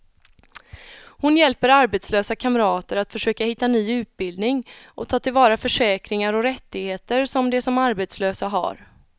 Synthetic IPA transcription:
hʊnjɛlpəɾaɾbɛt̪sløːsakʰamɾɑːt̪əɾat̪fœʂøːkahɪt̪ːanyːʉ̟ːt̪̚bɪld̪nɪŋʔɔ̰t̪ʰɑːt̪ʰɪlvɑːɾafœʂɛːkɾɪŋaɾɔɾɛt̪ːɪɡheːt̪əɾsɔmd̪ɛsɔmaɾbɛt̪sløːsaɦa̰ɾ

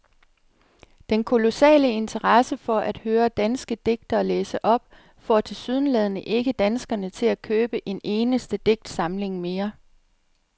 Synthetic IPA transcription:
d̥enkʰo̝lo̝sɛ̰ːləe̝nt͡sʰɐʁɑsəfɒ̽ʔæd̥høːɐd̥ænsɡ̥əd̥e̝ɡ̥̚d̥ɐleːsəʔɒ̽b̥̚ | fɒ̰ːt͡sʰe̝lsyð̞ˠn̩lɛð̞ˠnəʔe̝ɡ̥əd̥ænsɡ̥ɐnət͡sʰe̝lækʰøːb̥əʔe̝ne̝ːnəsd̥əd̥e̝ɡ̥̚d̥sɑ̈mle̝ŋme̝ːɐ

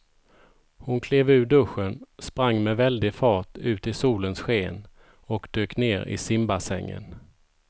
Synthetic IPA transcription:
hʊnkʰleːvʉ̟ːɖɵɧːənspɾaŋːmɛvɛld̪ɪfɑːʈʉ̟ːt̪ɪsuːlənsɧeːn | ɔkd̪øːkneːɾɪ̰sɪmbasɛŋːə̰n

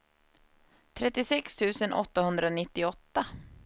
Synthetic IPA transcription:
t̪ʰɾɛt̪ːɪsɛkst̪ʰʉ̟ːsənʔɔ̰t̪ːahɵnd̪ɾanɪt̪ːɪɔt̪ːa

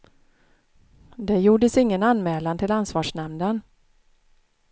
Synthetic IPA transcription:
d̪ɛjuːɖəsɪŋːənanmɛːlant̪ʰɪlansvɑːʂɳɛmnən

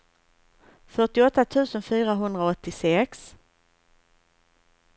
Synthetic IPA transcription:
fœʈɪɔt̪ːat̪ʰʉ̟ːsənfyːɾaɦɵnd̪ɾaɔt̪ːɪsɛks

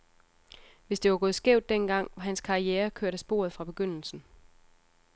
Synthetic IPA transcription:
ʋe̝sd̥eʋɑ̈ɡ̥ɔ̽ːð̩ˠsɡ̥eʊ̰d̥ːenɡ̥ɑ̈ŋ̰ʋɑ̈ɦænskʰɑ̈ieːɐkʰøɐ̰ɾ̥əsb̥o̝̰ɐðˠfʁɑ̈b̥e̝ɡ̥øn̰l̩sn̩

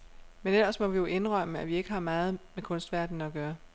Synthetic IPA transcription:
menelɐsmɒ̽ʋijo̝ʔe̝nʁœm̰əæʋie̝ɡ̥əhɑ̈mɑ̈ːð̞̩ˠmekʰɔ̽nsd̥ʋæɐd̥n̩ɒɡ̥ɶːɐ

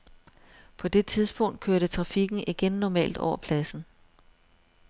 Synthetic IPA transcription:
pʰɒ̽d̥e̝t͡sʰið̞ˠsb̥ɔ̽ŋ̰d̥̚kʰøɐɾ̥ət͡sʰʁɑ̈fiɡ̥n̩iɡ̥enːɒmɛ̰ːld̥ɒʊ̰ɐpʰlæsn̩

